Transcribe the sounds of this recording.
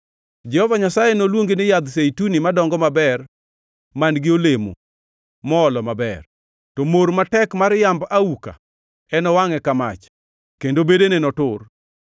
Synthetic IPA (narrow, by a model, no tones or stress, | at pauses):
d͡ʒɛhɔvaɲasajenolwoŋɡenɪjad̪seitunimadɔŋɡɔmabɛr | manɡɪolemo̰ | mɔːlɔmabɛ̰r | tɔmoɾmatɛkmaɾjambauka̰ | ɛnɔwaŋɛkama̰t͡ʃ | kendobedenenɔtʊr